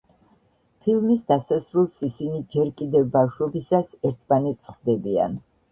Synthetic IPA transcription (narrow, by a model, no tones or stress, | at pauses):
pʰilˠmisd̪asasɾulˠsisinid͡ʒɛɾkʼid̪ɛvbafʃɔbisasɛɾt̪ʰmanɛt̪sʰχwd̪ɛbia̰n